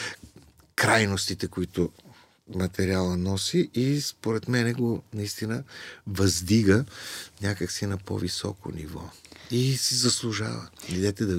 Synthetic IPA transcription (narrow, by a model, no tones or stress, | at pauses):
kɾajnost̪it̪ɛkʊit̪ʊ | mɐt̪ɛɾialˠənɔsiʔispoɾɛt̪mɛnɛɡonɐist̪inəvɐzd̪iɡənʲakəksinɐpo̰visɔ̰ko̰nivɔisizɐslˠuʒa̰və̰id̪ɛt̪ɛd̪ɐ